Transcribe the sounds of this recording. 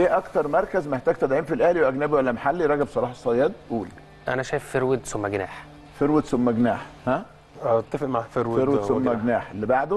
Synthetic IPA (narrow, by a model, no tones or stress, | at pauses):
ʔeːʔɑkt̪ɑɾˤmɑɾˤkæzmeħt̪æːɡ̚t̪æd̪ʕiːmfilʔæhliwʔæɡnæːbiwælːæmaħalːiɾˤɑɡæbsˤɑɾˤɑːħsˤːɑjɑːd̪ʔuːl | ʔæ̰næʃæjefːeɾwed̪somːæɡnaːħ | feɾwet̪somːæɡnaːħhæ | ʔæt̪ˤːɑfeʔmaʕfeɾweɾwesomːæɡnaːħelːebaʕd̪o